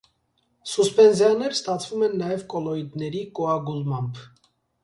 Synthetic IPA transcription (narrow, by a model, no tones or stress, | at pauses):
suspɛnzjɑnɛɾst̪ɑt͡sʰvumɛnːɑjɛvkɔlɔid̪nɛɾikɔɑɡulmɑmbʰ